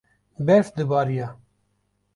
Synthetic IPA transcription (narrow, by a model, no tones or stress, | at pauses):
bɛɾsd̪ɨbɑːɾijaː